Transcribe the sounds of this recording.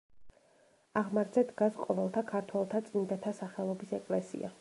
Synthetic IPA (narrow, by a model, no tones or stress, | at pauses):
aʁmaɾd̪zɛd̪ɡasqʼɔvɛlˠt̪ʰakʰaɾt̪ʰwɛlˠt̪ʰat̪sʼind̪at̪ʰasaχɛlˠɔbisɛkʼlɛsḭa̰